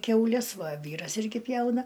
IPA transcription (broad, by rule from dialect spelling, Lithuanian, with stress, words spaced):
kʲɛʊˈlʲɛs ˈʋɐ ˈʋʲiːrɐs ˈɪrʲɡʲɪ ˈpʲjɛʊnɐ